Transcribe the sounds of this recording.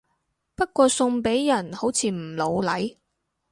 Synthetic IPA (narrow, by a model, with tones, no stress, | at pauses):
pɐ˥t̚kʷɔː˧sʊ˧ŋpe˨˥jjɐ˨˩nho˨˥wt͡sʰiː˨˧m̩˨˩lo˨˧wlɐ˨˥j